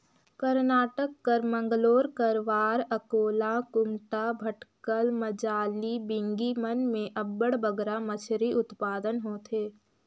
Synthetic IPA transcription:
kɐɾnaːʈəkːɐɾmə̃ŋɡloːɾkəɾʋaːɾɐkoːlakʊmʈabʱɐʈkəlmɐd͡ʒaːlibɪ̃ŋɡimənmẽʔɐbːəɽbəɡɾamət͡ʃʰɾiʔʊt̪paːd̪ənɦoːt̪ʰeː

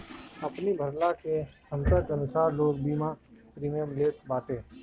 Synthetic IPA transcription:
əpnibʱəɾlake | əmt̪ət̪ənʊsaːɾloːɡ̚biːmãpɾiːməmleːt̪̚baːt̪eː

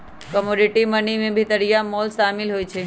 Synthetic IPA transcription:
kəmoɖiʈimənimẽbʱit̪əɾijamɔlsamɪlɦoːjt͡ʃʰe

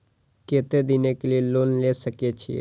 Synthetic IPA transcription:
keːt̪ed̪inekelieloːnlesəkiet͡ʃʰiḛ

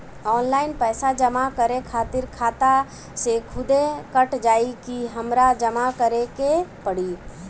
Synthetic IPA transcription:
ɔːnlaːɪnpɛːsad͡ʒəmakəɾekʰaːt̪ɪɾkʰaːt̪a | sekʰʊd̪ekəʈd͡ʒaːikiɦɐmɾad͡ʒəmakəɾekepəɽi

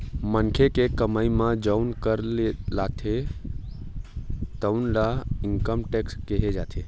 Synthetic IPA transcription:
mənkʰekekəməimãd͡ʒəʊnkəɾelaːt̪ʰe | t̪əʊnlaɪŋkəmʈekskeɦed͡ʒa̰ːt̪ʰe

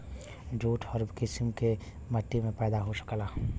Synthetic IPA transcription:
d͡ʒoːʈʰɔːɾbkɪsmke | məʈ̪ːimẽpɛːd̪aɦosə̥klaː

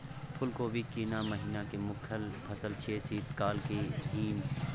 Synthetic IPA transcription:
pʰʊlkoːbʱikiːnamɐɦiːnakemʊkʰəlpʰɐsəlt͡ʃʰeːsiːt̪kaːlkeɦiːn

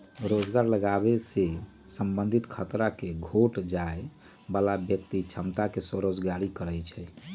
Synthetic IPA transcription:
ɾod͡ʒɡaɾləɡabese | səmbənd̪ʱit̪kʰət̪ɾakeɡʱoʈd͡ʒae | balabjək̚t̪it͡ʃʰəmt̪akesoɾod͡ʒɡaɾikəɾəjt͡ʃʰɛ

